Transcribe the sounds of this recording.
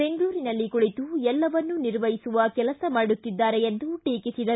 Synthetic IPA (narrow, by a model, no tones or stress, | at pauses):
e̞ŋɡluːɾinɐlːikuɭit̪uɛlːɐʋɐnːuniɾʋɐjisuʋɐkɛlɐsɐmaːɽut̪ːid̪ːaːɾeend̪uʈiːkisid̪ɐ